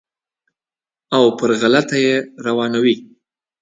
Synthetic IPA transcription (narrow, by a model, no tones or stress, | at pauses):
awpəɾɣalat̪ajeɾawɑnawi